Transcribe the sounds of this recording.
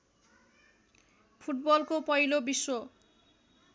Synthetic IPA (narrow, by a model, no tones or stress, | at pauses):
pʰuʈbɔlkopɔjlobisːo